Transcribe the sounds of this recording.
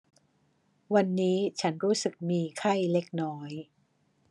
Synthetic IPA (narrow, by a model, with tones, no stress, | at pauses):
wa˧nːiː˦˥t͡ɕʰa˦˥nɾuː˦˥sɯ˨˩k̚miː˧kʰa˥˩jle˦˥k̚nɔː˦˥j